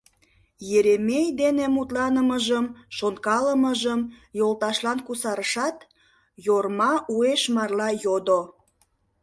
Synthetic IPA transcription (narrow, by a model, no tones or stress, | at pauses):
jeɾemʲejd̪enemut̪lɑnəməʒəmʃonkɑləməʒəmjolt̪ɑʃlɑnkusɑɾəʃɑt̪ | jormɑʔueʃmɑrlɑjod̪o